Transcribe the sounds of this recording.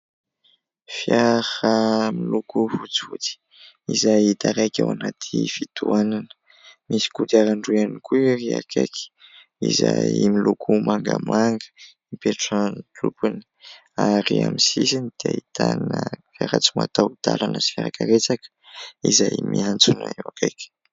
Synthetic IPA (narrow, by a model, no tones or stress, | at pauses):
fjahəmilukuvut͡sut̪i̥ | izajit̪aɾajkʲawanat̪ʰifit̪uananə̥ | misi̥kut̪aɾaɳɖ͡ʐuanikuriakʰeki̥ | izajmilukʰumaŋɡamaŋɡə̥ | ipeʈ͡ʂant̪upuni̥ | aɾiamisisinid̪̥eait̪ʰanə | aɾat͡sima̰t̪awd̪̥alanəfjaɾakaɾet͡sakə̥izajmiant͡sunaiwakajkʲə̥